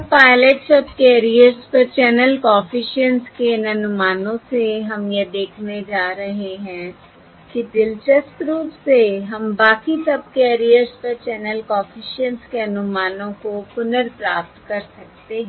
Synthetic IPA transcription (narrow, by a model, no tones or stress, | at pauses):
paːɪleʈsəb̚keːɾijəɾzpəɾt͡ʃɛːnəlkɔ̃ːfʰɪʃənskeɪnənʊmaːnõːseɦəmjeːd̪eːkʰned͡ʒaːɾəɦeɦɛ̃ː | kidɪlt͡ʃəsʈɾuːpseɦəmbaːkisəb̚keːɾijəɾspəɾt͡ʃɛːnəlkɔːfʰɪʃənskeənʊmaːnõːkopʊnəɾpɾaːp̚t̪kəɾsək̚t̪eɦɛ̃